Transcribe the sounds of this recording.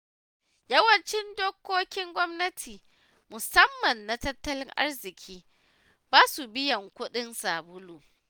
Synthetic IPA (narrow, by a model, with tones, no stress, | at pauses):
jɐ˦wɐ˨nt͡ʃɪ˦ndoː˦kʷːoː˦kʲɪ˦ŋɡʷɔ˦mnɐ˦tʰiː˨ | mʊ˨sɐ˦mːɐ˨nːa˨tɐ˦tːɐ˦lɪ˦ŋʔa̰˦rzɪ˨kʲʰiː˦ | baː˦su˨bɪ˦jɐ˨ŋkʷʊ˦ɗɪ˦nsaː˨bʊ˦luː˨